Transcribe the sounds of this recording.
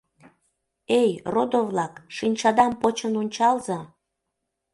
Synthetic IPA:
ejrod̪ovlɑkʃinʲt͡ɕɑd̪ɑmpot͡ɕənonʲt͡ɕɑlzɑ

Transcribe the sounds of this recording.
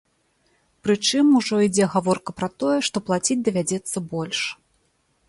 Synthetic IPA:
pɾɨt͡ʂɨmuʐɔid͡zʲɛɣavɔrkɐpɾɐt̪ɔjɛʂt̪ɔplˠat͡sʲid͡zʲd̪ɐvʲad͡zʲɛt̪sːɐbɔlʲʂ

